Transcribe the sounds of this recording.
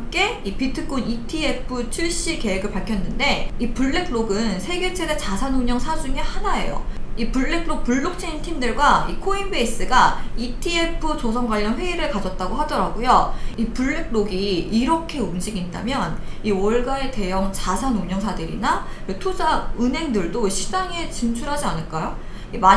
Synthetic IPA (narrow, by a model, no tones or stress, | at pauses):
ak͈e̞ | ipitʰɯk͈unitʰie̞pʰɯt͡ɕʰuɭɕ͈ike̞weɡɯɭpaɭkʰjʌnːɯnde̞ipuɭːe̞kʰɭoɡɯnsʰe̞ɡe̞t͡ɕʰe̞det͡ɕasʰanuɲʌŋsʰad͡ʑuŋehanae̞̰jo̰ipuɭːe̞kʰɭok̚puɭːok̚t͡ɕ͈ʰeintʰimdɯɭɡwaikʰoinbes͈ɯɡaitʰie̞pʰɯt͡ɕos̬ʰʌŋɡwaʎːʌnɸwe̞iɾɯɭkad͡ʑʌt̚t͈aɡoɦadʌɾaɡojoipuɭːe̞k̚ɭoɡiiɾʌkʰe̞umd͡ʑiɡinda̰mjʌniwʌɭɡae̞te̞jʌŋt͡ɕasʰanuɲʌŋsʰadɯɾḭnaɯtʰud͡ʑaɯnɦe̞ŋdɯɭdoɕʰid͡ʑaŋe̞t͡ɕint͡ɕʰuɾɦad͡ʑianɯɭk͈ajo | ima